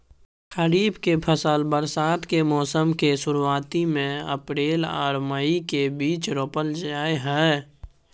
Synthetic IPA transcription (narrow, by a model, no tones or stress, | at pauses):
xəɾiːbkepʰəsəlbəɾsaːt̪kemɔːsəmkesʊɾuwaːt̪imẽə̰pɾeːla̰ːɾməikebiːt͡ʃɾoːpəld͡ʒaːeɦɛː